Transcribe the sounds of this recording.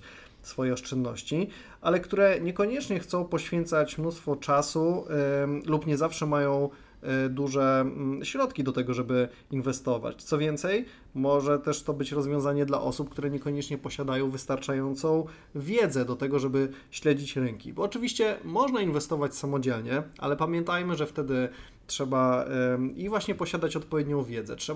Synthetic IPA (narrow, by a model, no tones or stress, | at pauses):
sfɔjɛɔst͡ʂɛnːɔɕt͡ɕi | ʔalɛkt̪uɾɛɲɛkɔɲɛt͡ʂɲɛxt̪sɔ̃w̃pɔɕfʲjɛnt̪sat͡ɕmnust̪fɔt͡ʂasu | lupɲɛzafʂɛmajɔ̃w̃ | d̪uʐɛɕɾɔt̪kʲid̪ɔt̪ɛɡɔʐɛbɘ | invɛst̪ɔva̰t͡ɕt̪sɔvʲjɛnt̪sɛj | mɔʐɛt̪ɛʂt̪ɔbɘt͡ɕɾɔzvʲjɔ̃w̃zaɲɛd̪la̰ʔɔsup̚kt̪uɾɛɲɛkɔɲɛt͡ʂɲɛpɔɕad̪ajɔ̃w̃vɘst̪aɾt͡ʂajɔnt̪sɔ̃w̃ | vʲjɛd̪zɛd̪ɔt̪ɛɡɔʐɛbɘ | ɕlɛd͡ʑit͡ɕɾɘŋkʲḭbɔːt͡ʂɘvʲiɕt͡ɕɛmɔʐnainvɛst̪ɔvat͡ɕsamɔd͡ʑɛlɲɛʔa̰lɛpamʲjɛnt̪ajmɘʐɛft̪ɛd̪ɘ | tʂɛba | ivwaɕɲɛpɔɕad̪at͡ɕɔt̪̚pɔvʲjɛd̪̚ɲɔ̃w̃vʲjɛd̪zɛ̰tʂɛ